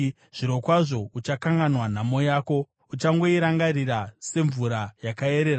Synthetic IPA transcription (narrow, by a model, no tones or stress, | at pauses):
ʐ̥iɾo̞kwaʐo̞ut͡ʃakaŋɡanwan̤amo̞jaːko̞ | ut͡ʃaŋɡo̞iɾaŋɡarirase̞ɱvuɾajakae̞ɾe̞ːɾa